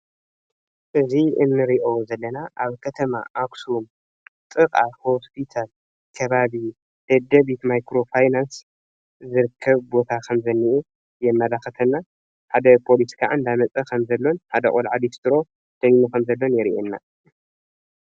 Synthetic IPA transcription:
ʔɨziɨnːɨɾiʔozɐlːɐnaʔaβkʰɐt̪ʰɐma̰ʔaksum | t̪ʼɨkʼaho̞spʰit̪ʰal | kʰɐβaβi | d̪̥ɐd̪ɐβit̪majkɾo̞fajnans | zɨɾɨkʰːɐβbo̞t̪ʰakʰɐmzɐnːiʔu | jɛmːɐlaxɐt̪ʰɐnːa | ħad̪ɐpʰo̞lit̪ʰi̥kʰa̰ʕɨnd̪amɐt͡sʼɐkʰɐmzɐlːo̞nħad̪ɐkʼolʕad̪ist̪ʰɨɾo̞ | d̪̥ɐjmukʰɐmzɐlːo̞njɛɾiʔenːa

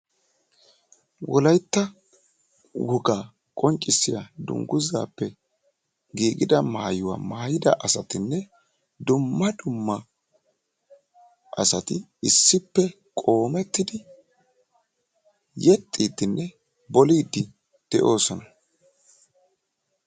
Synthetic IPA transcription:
wɔlɐjt̪ːɐ | wʊɡaː | kʼɔnt͡ʃʼːɪsːɪjad̪ʊ̰ŋɡʊza̰ːpːɛ | ɡiːɡɪd̪ɐma̰ːjʊwa̰ːmaːjɪd̪ɐʔɐsɐt̪ɪnːɛ | d̪ʊmːɐd̪ʊmːɐ | ʔɐ̰sɐt̪ɪ | ɪsːɪpːɛ | kʼo̞ːmɛt̪ːɪd̪ɪ | jɛt̪ʼːiːd̪ɪnːɛ | bɔliːd̪ːɪ | d̪̥ɛʔo̞ːsɔnɐ

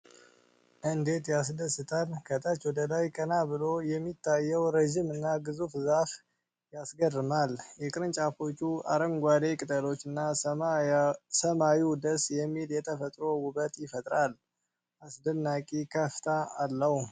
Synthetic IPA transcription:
ʔɨnd̪e̞t̪jas̬d̪əsɨt̪ʰalkʰət̪ʼat͡ʃwɔd̪əlajkʼənabɨlo̞jɛmːit̪ʰːajːəwɾəʒimɨnːaɡɨzufzaf | jasɡərːɨmaljɛkʼɨɾɨnt͡ʃʼafo̞t͡ʃːua̰ɾəmɡʷad̪e̞kʼɨt̪ʼəlo̞t͡ʃːɨnːa | səmawiwd̪əsjɛmːiljɛt̪ʰəfət̪ʼɾo̞wʊbət̪ʼjɪfət̪ʼɾal | ʔasd̪ənːakʼikʰəft̪ʰaːlːəh

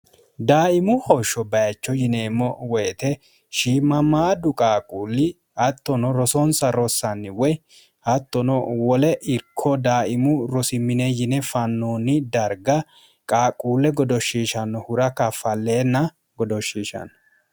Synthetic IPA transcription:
d̪aːʔɪmʊhɔʃɔbɐjɐt͡ʃːɔjɪne̞ːmːɔwɔjt̪ɛ | ʃiːmɐmaːd̪ʊkʼaːkʼuːlːɪ | ɐt̪ːɔnɔɾɔsɔnsɐɾɔsːɐnːɪwɔj | ɐt̪ːɔnɔwɔlɛʔɪɾkʰɔd̪aːʔɪmʊɾɔsɪmɪnɛjɪnɛfɐnːuːnɪd̪ɐɾɡɐ | kʼaːkʼuːlɛɡɔd̪ɔʃːiːʃɐnːɔhʊɾɐkɐfɐlːe̞ːnːɐ | ɡɔd̪ɔʃːiːʃɐ̰nɔ

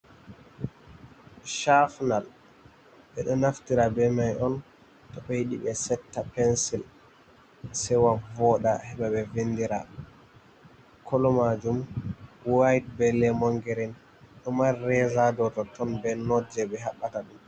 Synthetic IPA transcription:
ʃafnal | ɓɛɗɔnaftiɾabɛmajʔɔn | tɔɓɛjiɗḭɓɛsɛtːapɛnsil | sɛwavɔɗahɛɓaɓɛvendiɾa | kʰɔlɔmad͡ʒumwajd̚bɛlːɛmɔŋɡɛɾin | ɗɔmarɛzadɔtɔtɔnbɛnɔd͡ʒɛɓɛɦaɓːataɗum

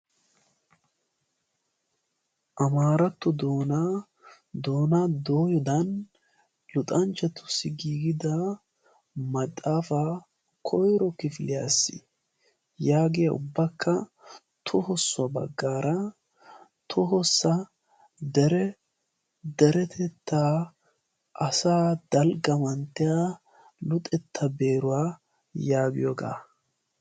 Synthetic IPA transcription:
ʔɐmaːɾɐt̪ːɔd̪oːna | d̪oːnad̪oːjɔd̪ɐn | lʊt̪ʼɐnt͡ʃɐt̪ːʊ̥sɪɡiːɡɪd̪ɐ | mɐt̪ʼːaːfa | kʰɔjɾɔkɪfɪlɪjasːɪ̰ | jaːɡɪjɐʊ̰bːɐkʰːɐ | t̪ʰʊhɔsːʊɐbɐ̰ɡːaːɾɐ | t̪ʰʊɦɔsːɐ | d̪ɛɾɛ | d̪ɛɾɛt̪ʰɛt̪ʰːaː | ʔɐsaːd̪̥ɐlɡɐmɐnt̪ːɛja | lʊt̪ʼɛt̪ʰːɐbe̞ːɾʊwaː | jaːɡɪ̰jɔɡa̰ː

